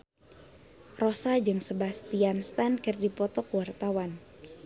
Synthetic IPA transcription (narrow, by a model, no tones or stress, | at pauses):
rɔsad͡ʒɨŋsəbast̪ianst̪ankərdipɔt̪ɔkuwart̪awan